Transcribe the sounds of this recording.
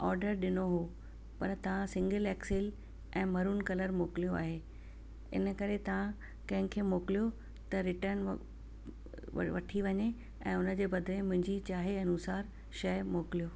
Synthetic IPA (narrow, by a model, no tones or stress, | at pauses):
ɔːɾɖəɾɗɪnoɦu | pɐɾt̪ɐʋ̤ãsɪ̃ŋɡəleːksɪl | ʔɛ̃ːmɐɾuːnkɐləɾmoːkɪlijoa̰ːɦeː | ɪ̰nəkɐɾet̪ɐʋ̤ã | kɐ̃ɦɪ̃kʰeːmoːkɪlijo | t̪ɐɾɪʈəɾn | ʋɐʈʰiʋɐɲe | ɛ̃ːʊnə̆d͡ʑeːbɐd̪ʱlẽmʊ̃ɦɪ̃ɲd͡ʑit͡ɕaːɦeɐnuːsaːɾ | ʃɐjmoːkɪlijoː